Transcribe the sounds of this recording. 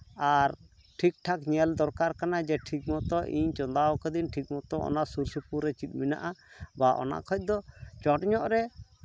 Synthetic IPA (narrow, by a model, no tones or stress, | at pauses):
aɾ | ʈʰik̚ʈʰakɲɛld̪ɔɾkaɾkanad͡ʒɛʈʰik̚mɔt̪ɔʔḭɲt͡ʃɔnd̪awkɛd̪inʈʰik̚mɔt̪ɔʔɔ̰naʔsuɾsipuɾːɛt͡ʃit̪̚ˀmina̰ʔabaʔɔ̰na̰ʔkʰɔc̚ˀd̪ɔt͡ʃɔʈɲɔʔɾɛ